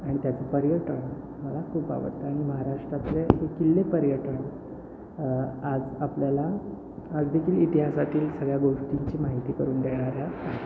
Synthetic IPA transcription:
aɽ̃it̪jat͡səpəɾjəʈəɳ | məlakʰuːpa̰ʋə̰t̪ːəaɽ̃iməɦaɾaʂʈɾat̪leɦekilːepəɾjəʈəɳ | ad͡zapljala | ad͡zd̪ekʰiːlit̪iɦasat̪iːlsəɡɭjaɡoʂʈiɲt͡ɕiːmaɦit̪iːkəɾuːnd̪eɽ̃aɾjaaɦe

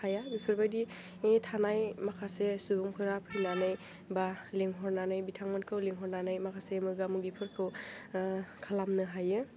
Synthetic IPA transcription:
hajabipʰɯɾbajdi | etʰanajmakʰasesubuŋkʰɯɾapʰɯjnanɯj | baleŋɦɔɾnanɯjbitʰaŋmɯnkʰɯwleŋɦɔɾnanajmakʰasemɯɡamuɡipʰɯɾpʰɯw | kʰalamnɯɦajɯ

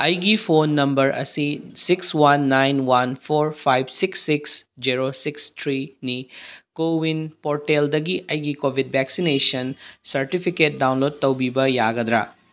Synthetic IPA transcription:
ɐjɡipʰonːɐmbɐɾʔɐ̰sisikswɐnːajnwɐnpʰoɾpʰajbsiksːiksd͡ʒiɾosikstʰɾinikowinpoɾʈeld̪ɐɡiʔɐjɡikobʱid̚bʱɛksinesɐnsɐɾʈipʰiket̚dawnlod̚t̪ɐwbibɐjaɡɐd̪ɾa̰

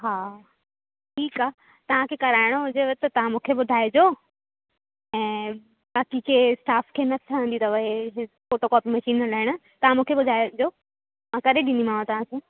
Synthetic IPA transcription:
ɦaː | ʈʰiːkaː | t̪ɐʋ̤ãkʰekɐɾaːɪɽ̃oɦʊd͡ʑeʋɐt̪ɐt̪ɐʋ̤ãmũːkʰeɓʊd̪ʱaːed͡ʑoː | ɛ̃ː | baːkikʰeːsʈaːfkʰeːnɐt̪ʰəʋə̃nd̪it̪ɐʋɐɦe | koːt̪okɔːpimɐʃiːnːɐlaːɪɽ̃ʊ̆t̪ɐʋ̤ãmũːkʰeɓʊd̪ʱaːed͡ʑoː | mãːkɐɾeɗĩnd̪imãːõt̪ɐʋ̤ãkʰeː

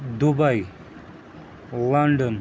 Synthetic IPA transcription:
d̪ubaj | laɳɖən

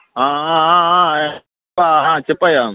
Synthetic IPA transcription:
ɦãɦãɦãɦã | paɦãt͡ʃipːaja

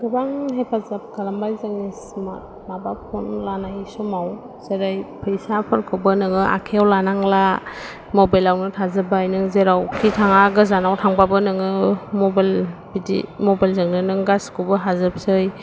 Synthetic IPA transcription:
ɡɯbaŋɦepʰazap̚kʰalambajzaŋisma̰t̚nabapʰɔnlanajsɔmaw | z̥eɾajpʰɯjsapʰɯɾkʰɯbɯnɯŋɯʔa̰kʰeawlanaŋla | mɔbajlawnɯtʰazɯbajnɯŋzeɾawkʰitʰaŋaɡɯzanawtʰaŋbabɯnɯŋɯmɔbalbidḭmɔbajlzɯŋnɯnɯŋɡaskubɯɦazɯp̚sɯj

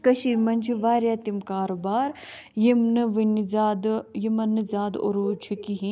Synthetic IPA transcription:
kɐʃiːɾmɐnʲt͡ʃʰiʋaːɾjaːt̪imkaːɾobaːɾjimnɨʋinizaːd̪jimɐnːɨzaːd̪o̰ɾuːt͡ʃʰikiɦi

